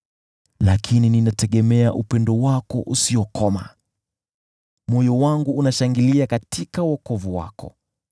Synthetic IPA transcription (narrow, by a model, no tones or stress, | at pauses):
lakʰinininatɛɠɛmɛaʔupɛndɔwakɔ̰ʔusiɔkʰɔma̰ | mɔjɔwaŋɡuːnaʃaŋɡiliakatʰikauɔkɔvuwa̰kɔ̰